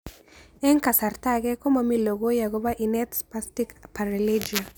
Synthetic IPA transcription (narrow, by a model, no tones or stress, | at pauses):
ɛŋkasaɾtakɛkɔmamiloɡojaɡɔβaʔinɛtspastikpaɾiled͡ʒia